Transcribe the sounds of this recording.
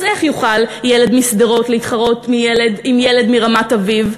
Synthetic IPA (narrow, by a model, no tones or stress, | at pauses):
zeχjuχaljele̞dmisd̪eʁo̞tleitχaʁo̞tmijeledimjele̞dmiʁamataviv